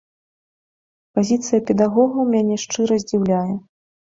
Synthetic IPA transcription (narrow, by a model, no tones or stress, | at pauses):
pazʲit̪sɨjɐpʲɛd̪aɣɔɣɐwmʲanʲɛʂt͡ʂɨɾɐzʲd͡zʲiwlʲajɛ